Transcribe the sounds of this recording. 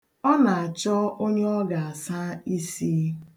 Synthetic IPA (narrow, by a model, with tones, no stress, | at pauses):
ɔ˦na˨a˨t͡ʃɔ˦o˦ɲe˦ɔ˦ɡa˨a˨sa˦i˦si˦